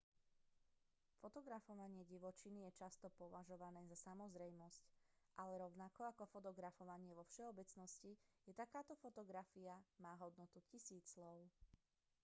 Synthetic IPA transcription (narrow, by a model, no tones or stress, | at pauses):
fɔt̪ɔɡɾafɔʋaɲɪɛɟiʋɔt͡ʃinijɛt͡ʃast̪ɔpɔʋaʒɔʋanɛːzasamɔzɾɛjmɔsc | ʔalɛɾɔʊnakɔakɔfɔt̪ɔɡɾafɔʋaɲɪɛʋɔfʃɛɔbɛt͡snɔscijɛt̪akaːt̪ɔfɔt̪ɔɡɾafiamaːɦɔd̪nɔt̪ucisiːt͡slɔʊ